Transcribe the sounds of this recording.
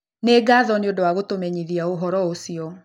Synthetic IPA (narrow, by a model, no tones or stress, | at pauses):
neɡaːðɔneodowaɣotomɛɲiðiaoɦɔɾɔosiɔ